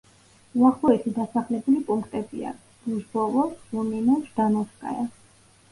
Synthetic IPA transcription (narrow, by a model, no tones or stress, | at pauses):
uaχlˠɔɛt̪ʰid̪asaχlɛbulipʼuŋkʰt̪ʼɛbia̰ | d̪̥uʒbɔvɔvuninaʃd̪anɔskʼa̰ja